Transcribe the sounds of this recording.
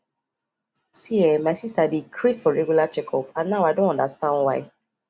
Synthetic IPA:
siɛmaɪsistadikʰɾisfɔɾɛɡjulat͡ʃɛkʰɔpãnnːawadõnɔ̃ndastãnwaj

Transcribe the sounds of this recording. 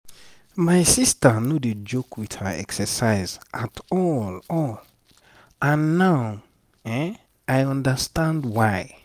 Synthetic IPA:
maɪsistənoded͡ʒokʰwithəɛ̰ksəsaɪzʔatɔlɔl | ʔãnːaʊ | ɛ | ajɔ̃ndəstãndwaɪ

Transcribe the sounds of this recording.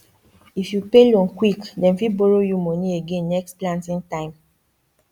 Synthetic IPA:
ifjupelõnkwikdɛ̃nfiboɾojumɔnieɡẽnːɛksplãntĩŋtãɪ̃m

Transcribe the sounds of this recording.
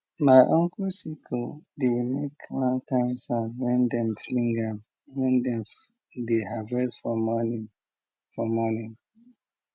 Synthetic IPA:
maɪʔɔ̃ŋkusikʰədemekmãnkãɪnsawɛ̃ndɛ̃mflĩŋɡam | ivɛ̃ndɛ̃m | deɦavɛsfɔmɔni | fɔmɔnĩŋ

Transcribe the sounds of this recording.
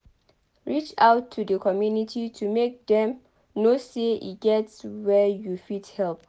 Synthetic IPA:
ɹit͡ʃaʊtʰːudəkʰɔmjunitʰitʰumek̚dɛ̃m | noseḭɡ̥ɛtswɛjufithɛlp̚

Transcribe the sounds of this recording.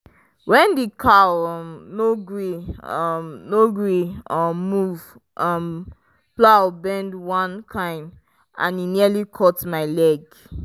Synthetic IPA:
wɛ̃ndikʰa | noɡɹi | noɡɹiɔmuv | ʔɔm | plaʊbɛ̃ndwãnkʰãɪ̃m | ã̰ninialikʰɔtmaɪlɛɡ

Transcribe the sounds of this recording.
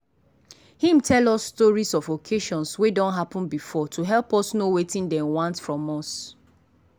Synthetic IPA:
hĩmtʰɛlɔsːtɔɹisɔvokʰeʃɔ̃nswedɔ̃ntɦapɔ̃nbifɔtʰuɦɛlˠpɔsnowetĩndɛ̃nwãntfɹɔ̃mɔs

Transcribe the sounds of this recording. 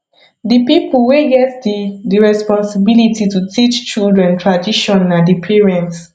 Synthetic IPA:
dipipulweɡɛtdidiɹɛspɔ̃nsibilititutit͡ʃt͡ʃildɹɛ̃ntɹadiʃɔ̃nːadipʰiɹɛ̃nts

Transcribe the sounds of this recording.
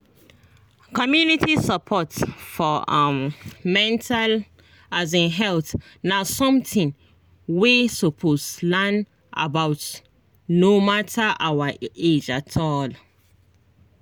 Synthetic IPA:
kɔmjunitʰisapʰɔtfɔammɛ̃ntʰal | azĩnɦɛlθ | nasɔ̃mtĩn | wisɔpʰoslan | ʔa̰bawt | nomatʰaʔawaed͡ʒatʰɔl

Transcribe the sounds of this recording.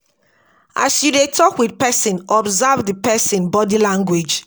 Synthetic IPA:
a̰sjudetʰɔkwidpɛsĩnʔɔbzavðipɛsĩnbɔdilãŋɡwed͡ʒ

